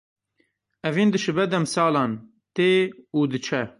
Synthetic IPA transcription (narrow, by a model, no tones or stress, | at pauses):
ɛviːnd̪ɨʃɨbɛd̪ɛmsɑːlɑːn | t̪eːuːd̪ɨt͡ʃʰɛ